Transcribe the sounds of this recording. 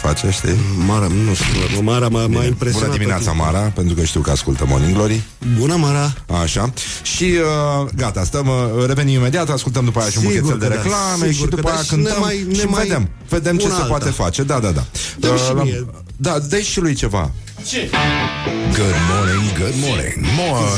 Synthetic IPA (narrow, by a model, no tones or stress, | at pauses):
fa̰t͡ʃaʃt̪emaɾanosmaɾaajmpɾebunəimineat̪sama̰ɾape̞nt̪ɾukəʃt̪iwkəa̰skult̪əmo̰niŋɡlo̞ɾi | bunəmaɾaa̰ʃa | ʃiəɡat̪ast̪əmɾe̞ve̞nimime̞d̪iat̪askult̪̬əmd̪upajaʃiumbokeeld̪eɾeklameʃid̪upaajakɨnt̪əmmjʃived̪e̞m | ve̞d̪e̞mt͡ʃe̞sepoat̪e̞fat͡ʃe̞d̪ad̪ad̪a̰l | d̪ad̪eʃilujt͡ʃe̞va̰ | t͡ʃe | ɡəd̪moniŋɡəd̪monḛŋmo